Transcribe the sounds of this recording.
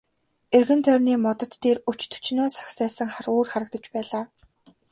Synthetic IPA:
erɣɘ̆nt̪ʰœːrniːmɔt̪ɞ̆t̪ːeːrut͡ɕt̪ʰɵ̥t͡ɕnʊːsḁksæːsə̆ŋχaruːrχaɾə̆k̚t̪ə̆t͡ɕpæːɮaː

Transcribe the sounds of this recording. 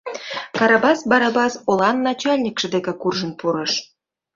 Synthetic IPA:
kɑɾɑbɑsbɑɾɑbɑsolɑnːɑt͡ɕɑlʲnʲikʃə̆d̪ekĕkurʒə̆npuɾɤ̆ʃ

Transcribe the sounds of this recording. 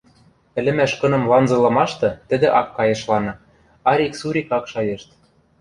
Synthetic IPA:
ɘ̆lɘ̆mæʃkɤ̆nɤ̆mlɑnzɤ̆lˠɤ̆mɑʃt̪ɤ̆t̪ɘ̆d̪ɘ̆ʔɑkːɑjɤ̆ʃlɑnɤ̆ | ɑɾʲiksuɾʲikɑkʃɑjɤ̆ʃt̪

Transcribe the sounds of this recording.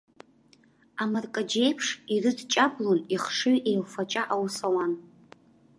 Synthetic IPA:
amarkʼad͡ʒe̞jpʰʂirɨdt͡ʃʼabloniχʂɨɥʔe̞jlfat͡ʃʼaʔawsawan

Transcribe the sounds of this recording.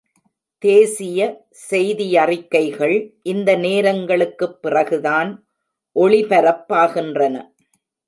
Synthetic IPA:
t̪eːsɪjɐ | sɛjðɪjɐrɪkːɐɪɣɐɭʔɪnd̪ɐneːɾɐŋɡɐɭɯkːɯpːɪrɐɣɯðaːn | ʔɔɭɪpɐɾɐpːaːɣɪndrɐnɐ̰

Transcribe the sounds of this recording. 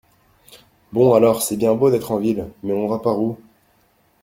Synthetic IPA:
bɔ̃alɔʁsɛbjɛ̃bod̪ɛt̪χɑ̃vilmɛɔ̃nvapaʁu

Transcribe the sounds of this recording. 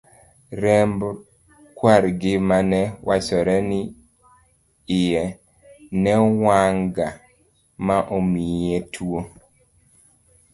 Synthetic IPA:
ɾɛmb | kwaɾɡɪmanɛwasɔɾɛnɪ | ɪjɛ | nɛwaŋɡa | maʔomijetʰwo

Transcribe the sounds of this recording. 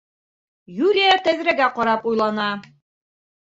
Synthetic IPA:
julʲijat̪æzɾæɡæqɒɾɑpujlˠɑnɑ

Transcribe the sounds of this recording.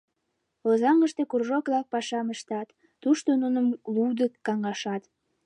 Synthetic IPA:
ozɑŋəʃt̪ekurʒokβlɑk̚pɑʃɑməʃt̪ɑt̪ː | uʃt̪onunəmlud̪əkɑŋɑʃɑt̪

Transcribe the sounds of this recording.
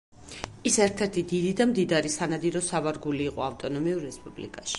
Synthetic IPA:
isɛɾt̪ʰɛɾt̪ʰid̪id̪id̪amd̪id̪aɾisanad̪iɾɔsavaɾɡuliːqʼɔaft̪ʼɔnɔmiuɾːɛspʼublḭkʼaʃi̥

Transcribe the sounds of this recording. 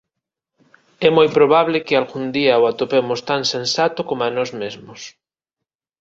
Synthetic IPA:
ɛmojpɾoβaβlɪkɪalɣund̪iaoat̪opemʊst̪aŋsẽnsat̪ʊkomanɔzmezmʊs

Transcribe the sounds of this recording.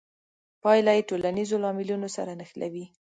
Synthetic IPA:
pɑjlajeʈolanizolɑmɪlunosaɾanəxla̰wi

